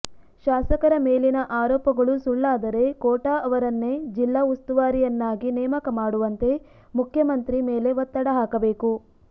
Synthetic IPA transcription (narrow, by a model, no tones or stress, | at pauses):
ʃaːsɐkɐɾɐmeːlinɐʔaːɾɔːpɐɡɐɭusuɭːaːd̪ɐɾe̞kɔːʈaːʔɐʋɐɾɐnːed͡ʒilːaːust̪uʋaːɾijɐnːaːɡinɛːmɐkɐmaːɽuʋɐnt̪e̞ | mukʰjɐmɐnt̪ɾimeːle̞ʋɐt̪ːɐɽɐɦaːkɐbe̞ːku